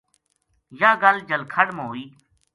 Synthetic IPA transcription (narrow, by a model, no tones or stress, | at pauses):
jaːɡəld͡ʒəlkʰəɽmãɦoːiː